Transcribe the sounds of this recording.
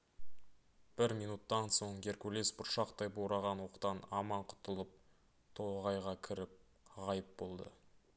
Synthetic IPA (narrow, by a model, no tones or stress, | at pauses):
b̥ɪɾmijnut̪ːɑnso̞ɴɡʲe̞ɾkulesbʊɾʃɑqt̪ɑjbowɾɑʁɑnwo̞qt̪ɑnɑmɑɴqʰʊ̥t̪əlˠəp̚ | t̪ʰoʁɑjʁɑkʲʰɪɾɪp̚ | ʁɑjəp̚bo̞lˠd̪ə̰